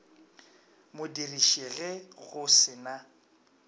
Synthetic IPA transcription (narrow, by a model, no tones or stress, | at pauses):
mʊdiriʃiɣɛɣʊsɪna